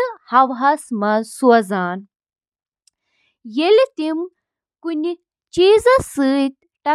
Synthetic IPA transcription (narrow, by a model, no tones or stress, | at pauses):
hɐʋɦɐsmɐnsuɐzaːn | jelit̪im | kunʲi | t͡ʃiːzɐsɨːt̪̚ | ʈɐ